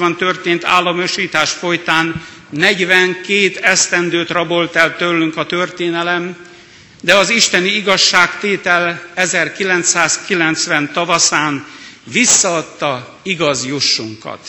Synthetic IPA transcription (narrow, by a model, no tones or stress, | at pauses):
ɒnt̪ø̞rt̪eːnt̪a̰ːlːɒmøʃiːt̪aːʃfo̞jt̪aːnː | ɛɟʋɛŋkeːt̪ɛst̪ɛnd̪øːt̪rɒbo̞lt̪ɛlt̪ølːyŋkɒt̪ørt̪eːnɛlɛm | d̪ɛɒziʃt̪ɛniiɡɒʃːaːkt̪eːt̪ɛlɛzɛrkilɛnt̪saːskilɛnt̪sʋɛnt̪ɒvɒsaːnvisːɒɒt̪ːɒ | iɡɒzjuʃːuŋkɒ̰t̪